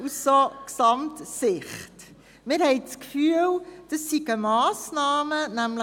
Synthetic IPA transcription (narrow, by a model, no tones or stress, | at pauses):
usːoksɑmtsɪχt | mɪːɾhɛjt͡skfyːəld̥əsːiɡəmɑːsnɑːmənæmlə